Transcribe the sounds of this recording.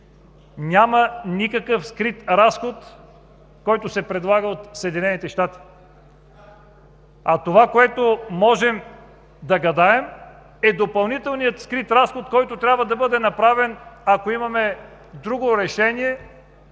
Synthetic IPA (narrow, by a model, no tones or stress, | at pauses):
nʲamɐnikɐkəfskɾit̪ɾasxot̪ | kɔjt̪osɛpɾɛd̪lˠaɡəot̪səɛd̪inɛnit̪ɛʃt̪at̪i̥ | at̪ovakoɛt̪omɔʒɛm | d̪ɐɡɐd̪aɛm | ɛd̪opɐlˠnit̪ɛlˠnijət̪skɾit̪ɾasxot̪̚kɔjt̪ot̪ɾʲabvɐd̪ɐbɤd̪ɛnɐpɾavɛnakoimɐmɛ | d̪ɾuɡoɾɛʃɛniɛ